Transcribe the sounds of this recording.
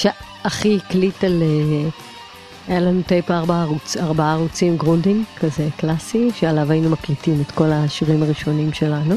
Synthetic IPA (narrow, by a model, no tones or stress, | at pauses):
ʃe | aχiklitale | ajalanutejpaaʁbaʁut͡saʁbaaʁut͡simɡʁundiŋkʰaze̞klasiʃealavainumaklitimetko̞laʃiʁimaʁiʃo̞nimʃe̞lanu